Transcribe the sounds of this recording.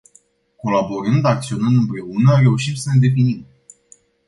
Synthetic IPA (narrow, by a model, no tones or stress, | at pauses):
ko̞labo̞ɾɨnd̪ak̚t̪sio̞nɨnd̪ɨmpɾe̞unəɾe̞uʃimsəne̞d̪e̞finim